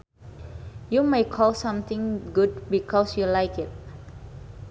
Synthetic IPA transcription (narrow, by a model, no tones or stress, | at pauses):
jumaɪkʰɔlsãmt̪ɪ̃ŋɡud̚bikʰɔsjulaɪkɪt̚